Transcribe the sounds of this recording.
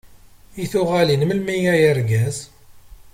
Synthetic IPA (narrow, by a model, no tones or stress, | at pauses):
iθʊʁælinməlmijæjəɾɡæz